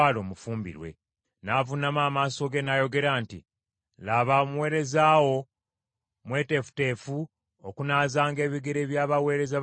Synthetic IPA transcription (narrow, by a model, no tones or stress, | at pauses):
alo̞ːmufuːmbḭɾwe̞̰ | navunamaːmaːso̞ɡe̞najo̞ɡe̞ɾaːntḭ | laβaomuwe̞ːɾe̞zaːwo̞ | mwe̞ːte̞fu̥te̞ːfu | okunaːzaːŋɡe̞ːβiɡe̞ɾe̞βjaːβawe̞ːɾe̞za